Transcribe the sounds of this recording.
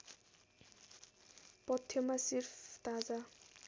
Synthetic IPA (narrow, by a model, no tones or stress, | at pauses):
pʌt̪ʰːjʌmasirpʰt̪ad͡za